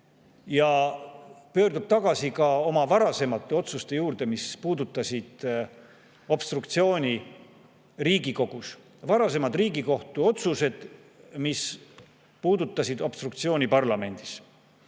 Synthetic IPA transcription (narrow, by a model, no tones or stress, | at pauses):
jɑ | pø̞ːɾd̪ub̥̚t̪ɑɡ̥ɑsikɑo̞mɑvɑɾɑse̞mɑt̪ːeo̞t̪sust̪e̞juːɾd̪̥e̞mispuːd̪ut̪ːˑɑsʲid̪̥ | o̞b̥st̪rukt̪sio̞ːnʲi | riːɡiko̞ɡ̥us | vɑɾɑs̬e̞mɑd̪riːɡiko̞ht̪uo̞t̪suse̞d̪̥ | mis | puːd̪ut̪ːˑɑsid̪̥o̞b̥st̪ruk̚t̪sio̞ːnʲipɑrlɑme̞nʲd̪̥is